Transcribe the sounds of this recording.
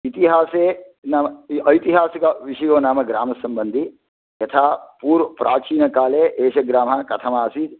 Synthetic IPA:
it̪iɦaːseː | namɐjt̪iɦaːsikɐʋiʂɐjoːnaːmɐɡɾaːmɐsɐmbənd̪ʱi | jɐt̪ʰaːpuːɾʋɐpɾaːt͡ʃiːnɐkaːleʔeːʃɐɡɾaːmakɐt̪ʰɐmaːsiːd̪

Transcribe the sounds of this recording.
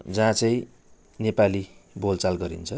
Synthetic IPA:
d͡zãt͡sʌĩ | nepalibolt͡salɡʌɾḭnt͡sʰʌ

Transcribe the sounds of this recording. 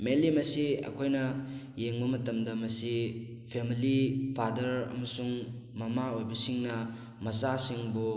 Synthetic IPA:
melimɐsiɐ̰kʰojnɐ | jeŋbɐmɐtɐmdɐmɐsi | pʰemilipʰadɐɾɐ̰mɐsuŋ | mɐmaojbɐsiŋnɐ | mɐsasiŋbu

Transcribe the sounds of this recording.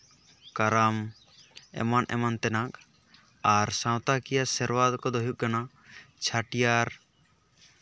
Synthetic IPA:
kaɾam | ɛ̰manʔɛ̰mant̪ɛnak | aɾsãwt̪akijasɛɾwad̪kɔd̪ɔɦjuʔ̚kana | t͡ʃʰaʈijaɾ

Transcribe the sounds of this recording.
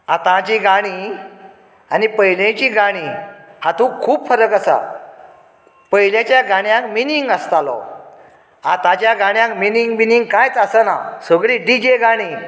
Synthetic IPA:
at̪ãt͡ɕiɡaɽ̃i | anipəɦjlẽt͡ɕiːɡaɽ̃ihat̪ũkʰuːbfəɾəkasa̰ | pəɦjljãt͡ɕjaɡaɽ̃jãkminiŋɡəst̪alɔ̰ | at̪ãt͡ɕjaɡaɽ̃jãkminiŋɡminiŋɡkajt͡sasəna̰səɡɭiɖid͡ʑeɡaɽ̃i

